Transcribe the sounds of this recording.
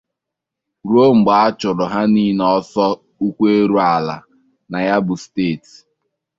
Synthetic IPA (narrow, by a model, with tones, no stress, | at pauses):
ɾo˦ŋ͡m̩˨ɡ͡ba˨˦t͡ʃʊ˨ɾʊ˨ɦa˦ni˦n˨ɔ˦sɔ˦ | u˦kʷe˦e˦ɾu˦a˨la̰˨ | na˨ja˦bʊ˨steː˦˨t